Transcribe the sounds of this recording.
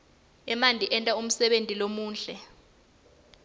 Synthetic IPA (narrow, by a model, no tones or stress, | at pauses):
ɛmandʱiʔɛntʼaum̩sɛɓentʼilomuːnɬɛ